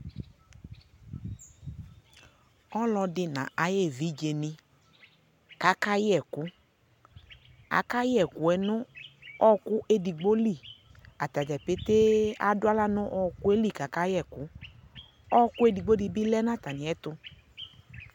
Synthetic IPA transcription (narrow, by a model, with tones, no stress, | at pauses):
ɔ˦lɔ˧dɪ˧nã̰˨ʔa˨je˦˨vi˨˦d͡ʒe˨nɪ̃˧ | ka˨˦ka˦jɛ˨kʊ˨˦ | a̰˨˦ka˦jɪ˦ɛ˨kʊ˨˦ɛ˨˦nʊ̃˦ɔ˦ku˦ʔe˧di˨ɡ͡bo˦li˦˨ | a˨t̪a˨d͡ʒɛ˨pe˦t̪e˦a˨dʊ˦a˦la˦nʊ̃˦ʔɔ˦ku˦e˦li˦˨ka˨ka˦jɛ˦˨kʊ˨˦ | ɔ˦ku˦e˧di˨ɡ͡bo˦di˧bi˦lɛ˦nã˦˨t̪a˨nɪ̃˨ɛ˨˦tʊ˧